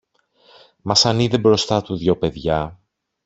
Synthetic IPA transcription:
mɐsɐniðebɾo̞st̪ɐt̪uðʝo̞pe̞ðʝɐ

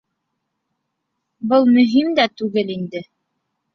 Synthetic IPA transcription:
bɤlˠmɵ̆ɦimd̪æt̪ʉɡɘlind̪ɘ

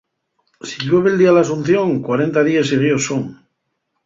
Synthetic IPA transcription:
siʎweβeld̪ialasun̟θjoŋkwaɾe̞nt̪aðiasiɣ̞josoŋ

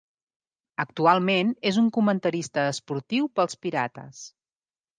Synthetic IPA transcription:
ək̚t̪ualˠmenezuŋkumənt̪əɾist̪əːspuɾt̪iwpəlˠspiɾa̰t̪ə̰s

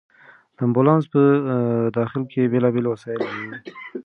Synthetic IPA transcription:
d̪̥əambulɑnspəd̪ɑxɪlkʰebelɑbelwasɑjɪlaɾi

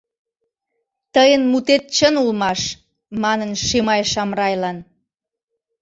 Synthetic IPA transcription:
t̪əjənmut̪et̪̚t͡ɕənulmɑʃ | mɑnənʃemɑjʃɑmrɑjlɑn

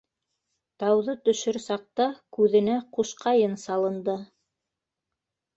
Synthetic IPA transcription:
t̪ɑwðɤt̪ɵ̆ʃɵɾsɑq̚t̪ɑkʉðɘ̆næquʃqɑjɤnsɑlˠɤ̆nd̪ɤ

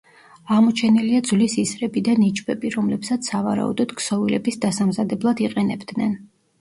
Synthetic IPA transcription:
aʁmɔt͡ʃʰɛniliad̪zlisisɾɛbid̪anit͡ʃʼbɛbiɾɔmlɛpsat̪sʰavaɾa̰ṵd̪ɔd̪ksɔvilɛbisd̪asamzad̪ɛblˠad̪iqʼɛnɛbd̪nɛn

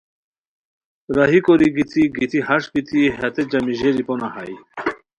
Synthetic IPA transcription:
ɾaɦikoɾiɡit̪ʰiɡit̪ʰihaʂkit̪ʰiɦat̪ed͡ʑamiʑeɾiponahaj

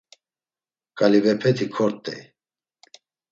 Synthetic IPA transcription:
kʼalivɛpʰɛt̪ʰikʰɔɾt̪ʼɛ̰

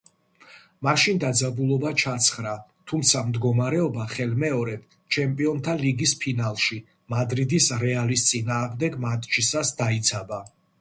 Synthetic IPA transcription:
maʃind̪ad̪zabulˠɔbat͡ʃʰat̪sʰχɾat̪ʰumt̪sʰamd̪ɡɔmaɾɛɔbaχɛlmɛɔɾɛp̚ | t͡ʃʰɛmpʼiɔnt̪ʰaliɡispʰinalˠʃi | mad̪ɾid̪isɾɛalist̪sʼinaːʁmd̪ɛɡmat̪ʼt͡ʃʰisasd̪ait̪sʰaba

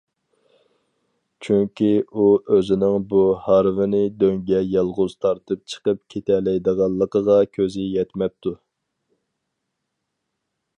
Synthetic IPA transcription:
t͡ʃʰyŋkʲiuøzɪnɪŋbuhɑɾvɪnɪd̪øŋɡʲɛjɑlˠʁʊz̥t̪ʰɑɾt̪ʰɨp̚t͡ʃʰə̥qəp̚kʲʰet̪ʰɛlɛjd̪əʁɑlˠːəqʰəʁɑkʲʰøzɪjɛt̪mɛp̚t̪ʰu

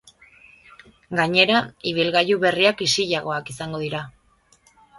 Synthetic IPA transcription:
ɡaɲe̞ɾaiβ̞ilɣajuβe̞riakisiʎaɣo̞akisaŋɡo̞ðiɾa

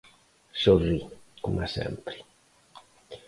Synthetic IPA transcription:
sorːikumasɛ̰mpɾi̥

